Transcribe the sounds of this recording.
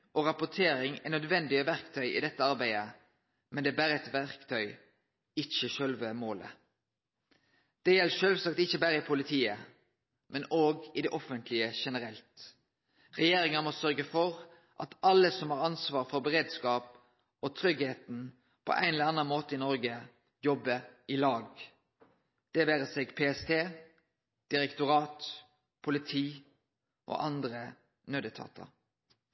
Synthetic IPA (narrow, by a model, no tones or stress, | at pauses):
ɔɾɑpʊʈ̪ʰeːɾɪŋænœd̪ʋɛnd̪ɪəʋæʁkt̪ʰœʏɪ̰d̪ɛt̪ːəɑɾbæɪə | mɛnd̪ɛːbæːɾəɛt̪ʋæʁkt̪ʰœʏ | ɪçəʃœlʋəmoːlə̰ | d̪̥ɛjɛlːəʃœːlʋsɑkt̪ɪçːəbæːɾəɪpʰʊlɪt̪ʰiːə | mʔɛnoːɡɪd̪ɛʔɔfənt̪ʰlɪəʃɛnəɾɛlt̪ | ʁɛjeːɾɪŋɑmɔsœʁɡəfɔʁ | ʔɑt̪ɑlːəsɔmhɑːʁɑnsʋɑːʁfɔɾbəʁeːd̪skɑːp | ot̪ʰɾʏɡheːt̪n | pʰɔ̰ʔæ̰ɪnɛləɑnːɑnmoːt̪əɪnɔʁɡə | jɔbːəɪlɑːɡ | d̪̥ɛʋæːɾəseːɡpʰeːɛst̪ʰeː | d̪̥ɪɾɛkt̪ʊʁɑːt̪ | pʰʊlɪt̪ʰiː | ʔo̰ːʔɑnd̪ʁə | nøːd̪ət̪ʰɑ̰ːt̪ʰə̰